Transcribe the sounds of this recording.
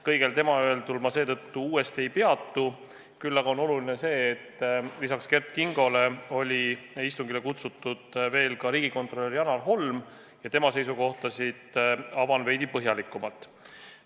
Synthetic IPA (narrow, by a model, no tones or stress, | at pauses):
kɤjɡ̥e̞lt̪e̞mɑøelt̪ulmɑse̞ːt̪ɤ̞t̪ːuuːe̞st̪ie̞jpe̞ɑt̪ːu | kylːɑɡ̥ɑono̞lulinese̞ːt̪ːlisɑkske̞rt̪̚kiŋɡ̥o̞le̞o̞lʲiist̪uŋɡile̞kut̪sut̪ːˑud̪̥ve̞ːlkɑɾiːɡ̥iko̞nt̪ˑro̞lerjɑnɑlɦo̞lm | jɑt̪e̞mɑse̞jsuko̞ht̪ɑsid̪̥ɑvɑnve̞jd̪ipɤɦjɑlikːˑumɑlt̪ːˑ